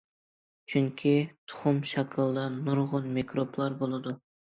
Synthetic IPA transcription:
t͡ʃʰʊŋkʲʰit̪ʰʊ̥χʊmʃɑkʲʰɨlˠd̪ɑnʊɾʁʊnmekɾoplˠɑɾbolˠɨd̪ʊ

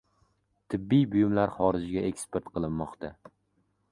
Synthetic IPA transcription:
t̪ʰɪbːijbʊjɪmlaɾχɒɾɪd͡ʒɡʲae̞kʲspʰeɾt̪qʰɨlˠɪnːɒqt̪ʰa

